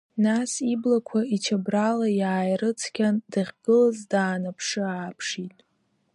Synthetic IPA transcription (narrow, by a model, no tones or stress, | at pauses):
nasiblakʷʰait͡ʃʰabralajaːjrɨt͡sʰkʲandaχʲɡ̥ɨlazdaːnapʰʂɨaːpʰʂitʼ